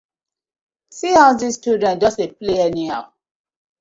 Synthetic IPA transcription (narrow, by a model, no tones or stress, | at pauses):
sihaʊðistudɛ̃nd͡ʒɔsepleɛnihaʊ